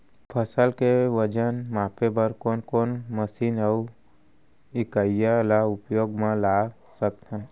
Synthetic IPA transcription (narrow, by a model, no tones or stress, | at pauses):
pʰəsəlkeʋəd͡ʒənmaːpʰebəɾkoːnkonməsiːnəu | ikəjjalaupjoːɡmãlaː | sək̚t̪ʰən